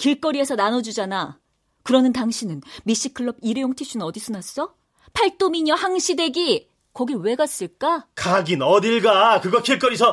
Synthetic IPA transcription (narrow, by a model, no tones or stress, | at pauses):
kiɭk͈ʌɾiesʰʌnanʌd͡ʑud͡ʑana | kɯɾʌnɯntaŋɕʰinɯnmiɕ͈ikʰɯɭːʌb̚iɾejoŋtʰiɕʰunɯnʌdis͈ʰonas͈ʌ | pʰaɭt͈omiɲʌhaŋɕʰide̞ɡi | kʌɡiwe̞ɡas͈ɯɭk͈akaɡinʌdiɭɡakɯɡʌkʰiɭk͈ʌɾisʰʌ